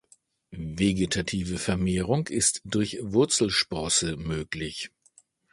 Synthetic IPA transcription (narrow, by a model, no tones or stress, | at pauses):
veɡetʰatʰiːvəfɛɐmeːʁʊŋkɪstd̥ʊɐçv̥ʊɐt͡sl̩ʃpɔːsəmøːklɪç